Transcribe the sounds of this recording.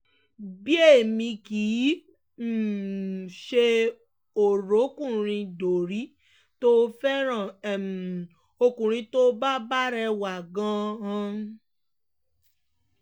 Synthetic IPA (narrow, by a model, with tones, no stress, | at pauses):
bi˦e˦˨mĩ˧kiː˨˦ | m̩˦˨ | ʃe˧ | o˨ɾo˨˦kũ˦˨ɾ̃ĩ˧do˨ɾi˨˦ | to˦fɛ˦ɾ̃ã˨ɛ˨m˨ | o˧kũ˨ɾ̃ĩ˧to˦ba˦ba˦ɾɛ˧wa˨ɡã˧ã˧